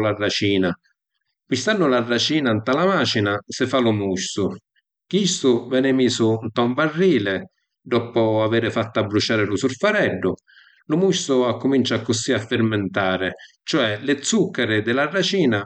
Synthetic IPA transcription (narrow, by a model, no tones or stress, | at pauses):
larːat͡ʃiːna | kist̪anːʊlarːat͡ʃiːnant̪alamaːt͡ʃinasɪfalʊmuʃːʊ | k̟ist̪ʊvɛːnɪmiːsʊnt̪ɔɱvarːiːlɪ | d̪ɔpʊavɛːɾɪfat̪ːabːɾut͡ʃaːɾɪlʊsʊrfaɾɛɖːʊ | lʊmuʃtʊakːʊmint͡ʃakːʊsiafːɪrmɪnt̪aːɾɪ | t͡ʃɔɛlɪt̪sːukːaɾɪd̪ɪlarːat͡ʃiːna